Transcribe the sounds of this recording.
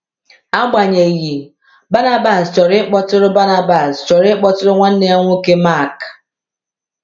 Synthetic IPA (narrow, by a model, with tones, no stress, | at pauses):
a˦ɡ͡ba˨ɲe˨ji˨ | ba˦na˦ba˨st͡ʃɔ˨ɾɪ˦k͡pɔ˦tʊ˦ɾʊ˦ba˦na˦ba˨st͡ʃɔ˨ɾɪ˦k͡pɔ˦tʊ˦ɾʊ˦ŋʷa˦n̩˦ne˦a˦ŋʷʊ˦ke˦ma˦˨k